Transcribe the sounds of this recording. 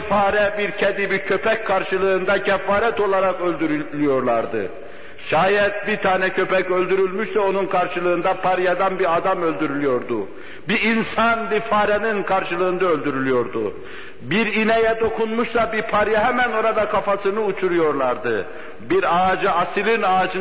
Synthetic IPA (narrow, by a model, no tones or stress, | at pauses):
faːɾɛbiɾcʰɛd̪ibiɾcʰøpʰɛcʲkʰaɾʃɯlˠɯːnd̪acʰɛfːaːɾɛt̪o̞lˠaɾakølʲd̪yɾylyjo̞ɾlˠaɾd̪ɯ̰ | ʃaːjɛt̪̚bit̪ʰaːnɛcʰø̞pɛcø̞lʲd̪yɾylʲmyʃsɛo̞nunkʰaɾʃɯlˠɯːnd̪apʰaɾjad̪anbiɾad̪amø̞lʲd̪yɾylʲyjo̞ɾd̪u | biinsanbifaːɾɛninkʰaɾʃɯlˠɯɯnd̪aølʲd̪yɾylʲyjo̞ɾd̪ṵ | biɾinɛjɛd̪o̞kʰunmuʃsabiɾpʰaɾjaɦæmæno̞ɾad̪akʰafasɯnɯut͡ʃʰuɾujo̞ɾlˠaɾd̪ɯ̰ | biɾaːd͡ʒɯasilinad͡ʒɯ